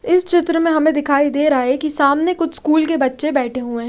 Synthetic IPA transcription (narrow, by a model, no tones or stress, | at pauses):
ɪst͡ʃɪt̪ɾəmẽɦɐmẽd̪ɪkʰaːid̪eːɾaːɦekisaːmnekʊt͡ʃʰskuːlkebɐtːʃebɛːʈʰeɦuẽː